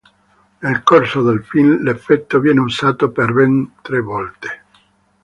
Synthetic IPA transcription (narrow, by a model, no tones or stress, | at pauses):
nelkorsod̪elfillefːɛt̪ːovjɛːneusaːt̪operbent̪ɾevɔlt̪e̥